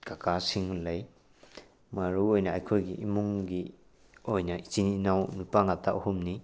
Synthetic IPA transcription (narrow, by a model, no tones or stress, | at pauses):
kakasiŋlaj | maɾuojnɐajkʰojɡiʔimuŋɡi | ojnɐʔit͡ʃininawnupaŋatʰaohumni